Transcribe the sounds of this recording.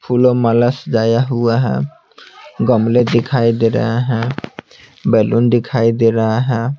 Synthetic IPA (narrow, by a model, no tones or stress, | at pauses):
pʰulɔmalasd͡ʒajaɦuaɦɛ̰̃ | ɡɔmled̪ikʰajd̪eɾa̰ɦɛ̃ | bɛlund̪ikʰajd̪eɾaɦɛ̃